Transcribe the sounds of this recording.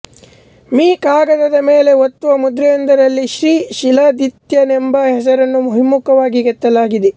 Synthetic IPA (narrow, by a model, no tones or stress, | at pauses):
miːkaːɡɐd̪ɐd̪ɐmeːle̞ot̪ːuʋɐmud̪ɾɛjɐnd̪ɐɾɐlːiʃɾiːʃilɐd̪it̪jɐnɛmbɐɦɛs̬ɐɾɐnːumuɦimːukɐʋaːɡiɡɐt̪ːɐlaːɡid̪e